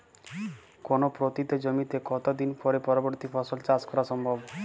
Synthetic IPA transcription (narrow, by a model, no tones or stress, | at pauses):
konopɾot̪it̪ed͡ʑomit̪ekɔt̪od̪inpɔɾepɔɾoboɾt̪ipʰɔsolt͡ʃaskɔɾaʃɔmbʱɔb